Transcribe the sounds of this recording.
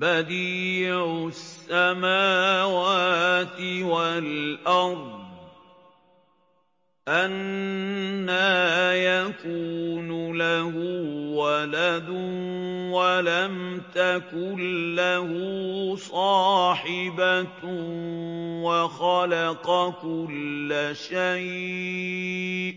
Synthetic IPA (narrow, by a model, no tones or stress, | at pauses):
bad̪iːʕʊsːamaːwaːt̪ɪwalʔɑɾˤdd̪̚ˤ | ʔanː | ajakuːnʊlahuːwalad̪ʊwalamt̪akʊnlahʊsˤɑːħɪba | waxɑlɑqɑkʊlːaʃaj